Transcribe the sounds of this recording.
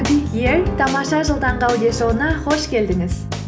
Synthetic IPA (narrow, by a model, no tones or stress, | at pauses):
b̪ijjeɾt̪ʰɑmɑʃɑʒəlˠd̪ɑɴqɑwd̪eʃowənɑχo̞ʃkʲʰe̞ld̪ɪŋɪz